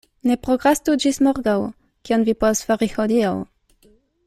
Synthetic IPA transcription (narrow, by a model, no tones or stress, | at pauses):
nɛpʁɔɡʁast̪ud͡ʒismɔʁɡaw | kjɔnvʲipɔsfaʁixɔd̪ʲijaw